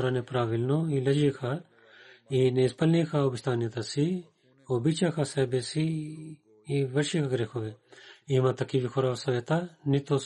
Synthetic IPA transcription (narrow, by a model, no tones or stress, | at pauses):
ɾaːnẽpɾaːʋilnoiːlɐd͡ʒikʰaː | inespɐlnikʰaːoːbist̪ʰaːnijɐt̪asi | oːbit͡ʃakʰaːsɛːbesi | iʋɐʃikʰaɡɐɾekʰoːʋeːiːmãt̪ɐkiʋikʰoɾaːʋsɐʋeːt̪anit̪oː